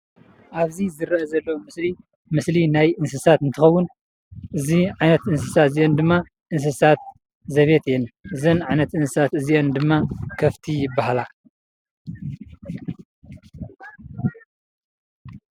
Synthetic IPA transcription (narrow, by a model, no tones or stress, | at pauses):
ʔaβzizɨɾɐɐzɐlːɐwmɨsli | mɨslinajɨnsɨsat̪ɨnt̪ʰɨxɐwːʊn | ʔɨziʕajnɐt̪ɨnsɨ̥sat̪zijond̪ɨmːa | ʔɨns̬ɨsat̪̚ | zɐβe̞t̪jɛnʔɨzɐnʕajnɐt̪ɨnsɨsat̪ɨziʔend̪ɨmːakʰɐft̪ʰijɪbːahala